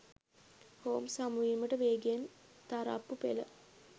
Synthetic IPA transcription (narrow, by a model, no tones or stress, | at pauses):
hoːmsamuiməʈəʋeːɡijant̪aɾa̰pːupḛlə̰